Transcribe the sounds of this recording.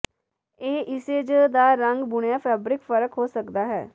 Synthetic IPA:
eːʔɪseːd͡ʒd̪aːɾəŋɡbʊɽjaːpʰɛːbɾɪkfəɾəkɦoːsəkd̪aːɦɛ̰ː

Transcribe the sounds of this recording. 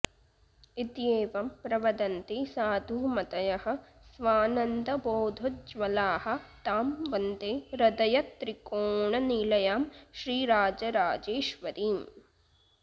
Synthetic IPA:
it̪jeːʋɐmpɾɐʋɐd̪ɐnt̪isaːd̪ʱuːmɐt̪ɐjɐhɐ̆ | sʋaːnɐnd̪ɐboːd̪ʱod͡ʒʋɐlaːhɐ̆t̪aːmʋɐnd̪eːɾɐd̪ɐjɐt̪ɾikoːɳɐniːlɐjaːmʃɾiːɾaːd͡ʒɐɾaːd͡ʒeːʃʋɐɾiːm

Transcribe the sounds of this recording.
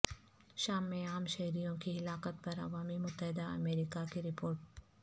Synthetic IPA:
ʃaːmːẽaːmʃɐɦɾijõkiɦɪlaːkət̪̚pɐɾɐ̰ʋaːmimʊt̪ːəɦɪd̪aɐ̰meːɾiːkakiɾɪpoːɾʈ̚

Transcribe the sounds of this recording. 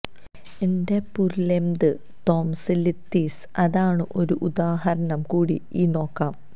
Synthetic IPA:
ende̞pullːemd̪ɨ | t̪o̞ːmsɨlit̪ːiːs | ɐðaːɳɨʔo̞ɾuʔud̪aːɦɐɾɐɳɐmkuːɽḭiːno̞ːkːaːm

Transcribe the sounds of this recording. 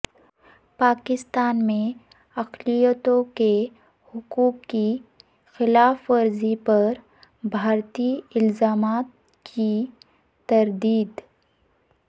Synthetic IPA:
paːkɪst̪aːnmẽ | ɐqlijət̪õke | hʊkuːkki | xɪlaːfɐɾzipɐɾ | bʱaːɾt̪iɪlzaːmaːt̪̚ | kʰi | t̪ɐɾd̪iːd̪

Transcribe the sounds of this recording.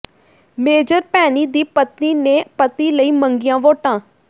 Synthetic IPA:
meːd͡ʒəɾpɛːniːd̪iːpət̪niːnẽːpət̪iːləiːməŋɡɪjãːʋoːʈãː

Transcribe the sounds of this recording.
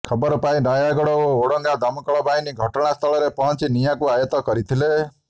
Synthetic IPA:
kʰʌbɔɾpaĩnajaɡɔɽɔooɽɔ̃ŋɡad̪ɔmkɔɭɔbainiɡʱɔʈɽ̃ast̪ʰʌɭɔɾepɔ̃nt͡ʃinijãkuajət̪ɔkɔɾit̪ʰile

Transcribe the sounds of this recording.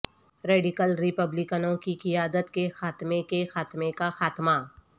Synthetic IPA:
ɾeːɖɪkəlɾɪpəblɪkənõkikɪjaːd̪ət̪kexaːt̪mekexaːt̪mekaxaːt̪ma

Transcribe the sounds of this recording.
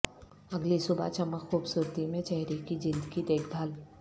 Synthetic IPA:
ɐɡlisʊba̰t͡ʃɐməkxuːbsuːɾt̪imẽt͡ʃɛɦɾikid͡ʒɪ̃nd̪kit̪eːkʰbʱaːl

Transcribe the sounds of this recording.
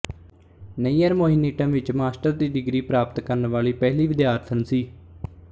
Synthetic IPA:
neiːəɾmoːɦɪniːʈə̃mʋɪt͡ʃmaːsʈəɾd̪iːɖɪɡɾiːpɾaːpət̪kəɾnʋaːliːpɛːɦliːʋɪd̪jaːɾt̪ʰənsiː

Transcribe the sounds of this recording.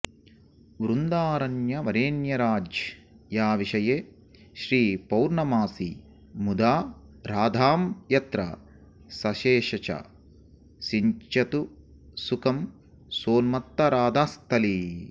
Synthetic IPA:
ʋɾund̪aːɾɐnjɐʋɐɾeːnjɐɾaːd͡ʒ | jaːʋiʃɐjeː | ʃɾiːpɐwɾɳɐmaːsi | mud̪aː | ɾaːd̪ʱaːmjɐt̪ɾɐ̰ | sɐʃeːʃɐt͡ʃɐ̰ | siɲt͡ʃɐt̪u | sukɐm | soːlmɐt̪ːɐɾaːd̪ʱaːst̪ʰɐli

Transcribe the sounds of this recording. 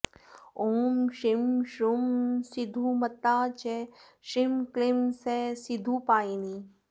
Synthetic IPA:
oːmʃɪmʃumsɪd̪ʱumɐt̪ːaːt͡ʃe | ʃɪmklɪmsesɪd̪ʱupaːini

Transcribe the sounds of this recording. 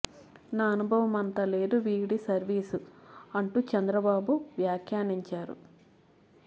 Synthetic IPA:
naːɐnubʱɐʋɐmɐnt̪ɐːle̞ːd̪uʋiːɽisɐɾʋiːsuɐɳʈuːt͡ʃɛnd̪ɾɐbaːbuʋjaːkʰjaːniɲt͡ʃaːɾṵ

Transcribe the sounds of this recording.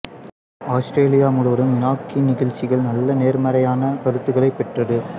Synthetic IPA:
aːsʈɾeːlɪjaːmʊɽɯʋɐɽɯmɪnaːkːinɪɣɐɻt͡ʃːɪɣɐɭnɐlːɐneːɾmɐɾɐjaːnɐkɐɾɯt̪ːɯɣɐɭɐɪpːɛʈrɐðɯ

